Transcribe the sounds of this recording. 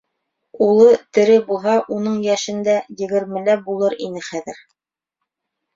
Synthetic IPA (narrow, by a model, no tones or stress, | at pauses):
ulˠɤt̪ɘ̆ɾɘbulˠɦɑʔunɤɴjæʃɘ̆nd̪æjɘ̆ɡɘ̆ɾmɘ̆læbulˠɤɾinɘχæðɘɾ